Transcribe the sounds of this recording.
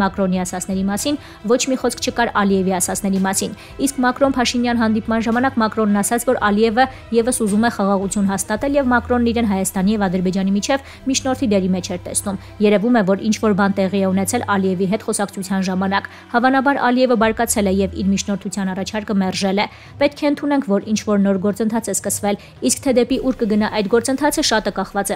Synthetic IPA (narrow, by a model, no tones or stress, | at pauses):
mɑkɾɔniɑsɑt͡sʰnɛɾimɑsin | vɔt͡ʃʰmiχɔskʰt͡ʃʰəkɑɾɑliɛviɑsɑt͡sʰn̪ɛɾimɑsin | iskmɑkɾɔnpʰɑʃinjɑnɦɑnd̪ipmɑnʒɑmɑnɑkmɑkɾɔnːɑsɑt͡sʰvɔɾʔɑliɛvə | jɛvəsuzumɛχɑʁɑʁut͡sʰjunɦɑst̪ɑt̪ɛljɛvmɑkɾɔnːiɾɛnɦɑjɑst̪ɑnijɛvɑd̪əɾbɛd͡ʒɑnimit͡ʃʰɛv | mit͡ʃʰnɔɾt̪ʰid̪ɛɾimɛt͡ʃʰɛɾt̪ɛsnum | jɛɾɛvumɛvɔɾḭnt͡ʃʰvɔɾbɑnt̪ɛʁiɛunɛt͡sʰɛlɑliɛviɦɛt̪χɔsɑkt͡sʰut͡sʰjɑnʒɑmɑnɑk | hɑvɑnɑbɑɾɑ̰liɛvəbɑɾkɑt͡sʰɛlɛjɛvḭɾmit͡ʃʰnɔɾt̪ʰut͡sʰjɑnɑrɑt͡ʃʰɑɾkəmɛrʒɛlɛ | pɛt̪̚kʰɛənt̪ʰunɛŋkʰvɔɾint͡ʃʰvɔɾnɔɾɡɔɾt͡sənt̪ʰɑt͡sʰɛskəsvɛl | iskt̪ʰɛd̪ɛpiʔuɾkəɡənɑʔɑjd̪ɡɔɾt͡sənt̪ʰɑt͡sʰəʃɑt̪əkɑχvɑt͡sɛ